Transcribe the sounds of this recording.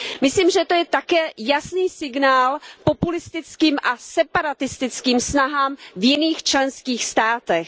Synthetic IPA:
mɪsliːmʒɛt̪ojɛt̪akɛːjasniːsɪɡnaːlpo̞pulɪst̪ɪt͡skiːmʔasɛpaɾat̪ɪst̪ɪt͡skiːmsnaɦaːmvjɪniːxt͡ʃlɛnskiːxst̪aːt̪ɛx

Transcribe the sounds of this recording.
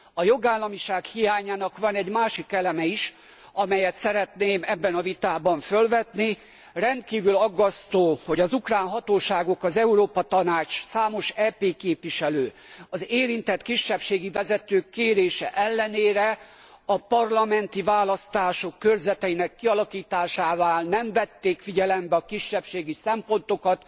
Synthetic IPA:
ɒjo̞ɡaːlːɒmiʃaːkhijaːɲaːnɒkʋɒnɛɟmaːʃikːɛlɛmɛiʃ | ɒmɛjɛt̪sɛɾɛt̪neːmɛbːɛnɒvit̪aːbɒɱfø̞lvɛt̪ni | rɛnt̪̚kiːvylɒɡːɒst̪oːho̞ɟɒzukraːnɦɒt̪oːʃaːɡo̞kɒzɛuɾoːpɒt̪ɒnaːt͡ʃsaːmo̞ʃɛːpeːkeːpviʃɛløː | ɒzeːɾint̪ɛt̪kiʃːɛpʃeːɡivɛzɛt̪øːkːeːɾeːʃɛ̰ʔɛlːɛneːɾɛ | ɒpɒrlɒmɛnt̪ivaːlɒst̪aːʃo̞kːørzɛt̪ɛinɛkːiɒlɒkiːt̪aːʃaːvaːlnɛɱvɛt̪ːeːkfiɟɛlɛmbɛɒkiʃːɛpʃeːɡisɛmpo̞nt̪o̞kɒt̪

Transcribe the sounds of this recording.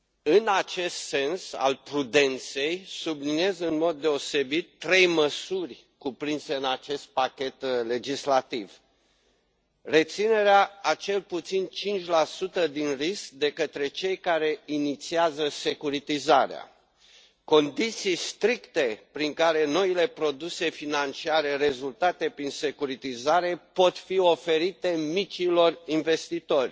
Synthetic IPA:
ɨnat͡ʃe̞st̪se̞nsa̰lpɾud̪e̞nt̪se̞jsubliniezɨnmo̞d̪ːe̞o̞se̞bit̪ːɾe̞jməsurʲ | kupɾinse̞ɨnat͡ʃe̞st̪̚pakʲe̞t̪le̞d͡ʒislat̪iv | re̞t̪sine̞ɾeaat͡ʃe̞lput̪sint͡ʃint͡ʃʲlasut̪əd̪inrisk̚d̪e̞kət̪ɾe̞t͡ʃe̞jkaɾe̞init̪siazəse̞kuɾit̪izaɾea̰ | ko̞nd̪it̪sijst̪ɾikt̪e̞pɾiŋkaɾe̞no̞ile̞pɾo̞d̪use̞finant͡ʃiaɾe̞re̞zult̪at̪e̞pɾinse̞kuɾit̪izaɾe̞po̞t̪fio̞fe̞ɾit̪e̞mit͡ʃilo̞rinve̞st̪it̪o̞rʲ

